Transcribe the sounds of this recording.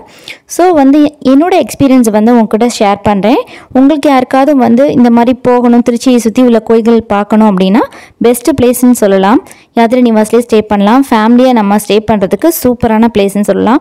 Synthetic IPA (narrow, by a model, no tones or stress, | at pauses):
soːʋɐnd̪ɯɛnːoːɽɐɛkspiːɾɪjɐnsʋɐnd̪ɯʊŋɡɐkːɪɽɐʂeːɾpɐɳɾẽːʊŋɡɐɭɯkːjaːɪɾɯkːaːðɯ̃ʋɐnd̪ɯɪ̰nd̪ɐmaːd̪ɾipoːɣɐɳʊ̃mt̪ɪɾɯt͡ʃːɐɪsʊt̪ːiʊlːɐkoːjɪɣɐɭɪpaːɾkɐɳʊ̃ɐpːɐɽɪnːaː | bɛsʈɯpleːsnɯsɔlːɐlãːm | jaːɾt̪ɪɾɯnɪʋaːsɪlesʈeːpɐɳːɐlãːmfaːmɪlijaːnɐmːɐsʈeːpɐɳɾɐðɯkːɯsuːpɐɾaːnɐpleːsnɯsɔlːɐ̰lãːm